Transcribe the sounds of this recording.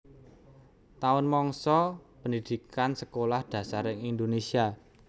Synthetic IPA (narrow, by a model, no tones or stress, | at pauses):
t̪aʊnmɔŋsɔpənd̪id̪̥i̤kansəkolahd̪̥ä̤saɾɪŋind̪onesia